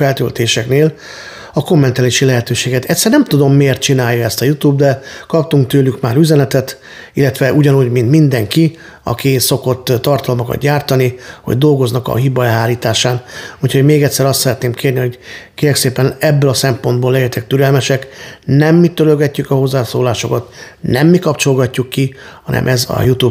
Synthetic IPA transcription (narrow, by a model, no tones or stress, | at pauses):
ɛlt̪ø̰lt̪eːʃɛkneːl | ɒko̞mːɛnt̪aːliʃilɛɦɛt̪øːʃeːɡɛt̪ɛcʲsːɛrnɛmt̪ud̪o̞mːeːrt̪̚t͡ʃinaːjːɒɛst̪ɒjut̪uːbd̪ɛkɒp̚t̪uŋk̚t̪øːlykmaːɾyzɛnɛt̪ɛt̪ | ilːɛt̪ʋɛʔuɟɒnuːɟmint̪mind̪ɛŋki | ɒ̰kiso̞ko̞t̪ːɒrt̪ɒlmɒkɒ̰t̪̚ɟaːrt̪ɒniho̞̰ɟd̪o̞lɡo̞znɒkɒ̰ɦibɒɛɦaːliːt̪aːʃaːnuːcʰho̞ɟmeːɡɛt̪ʲsɛɾɒst̪sɛɾɛt̪neːmkʰeːrniɦo̞ɟkeːɾɛkseːpɛnɛbːølɒsɛmpo̞nd̪boːlːɛjɛt̪ɛk̚t̪yɾɛlmɛʃɛknɛmːit̪øløɡɛcːykɒho̞zːaːso̰ːlaːʃo̞̰kɒt̪nɛmːikɒpt͡ʃo̞lɡɒcːukːihɒ̰nɛ̰mʔɛzɒ̰jut̪uːb